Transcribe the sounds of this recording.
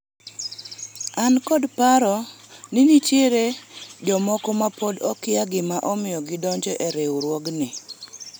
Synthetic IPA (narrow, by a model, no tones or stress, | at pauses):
ankɔdpaɾɔnɪnit͡ʃjeɾed͡ʒɔmɔkɔmapɔdɔkɪjaɡɪmaʔɔmɪjɔɡɪdɔɲd͡ʒɔʔeɾewuɾwɔɡnɪ